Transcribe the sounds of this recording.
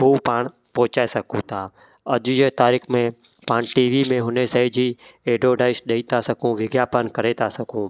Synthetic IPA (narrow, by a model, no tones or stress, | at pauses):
ɦuːpaːɽ̃ | pɔːʊt͡ɕaːesɐkʰũt̪ʰaː | ɐʄʊjet̪aːɾiːxmẽ | paːɽ̃ʈiːʋimẽɦʊnesaɪd͡ʑiːeːɖoːɖaːɪsɗeit̪ʰasɐkʰũʋɪɡjaːpənkɐɾet̪ʰasɐɡʰʱũː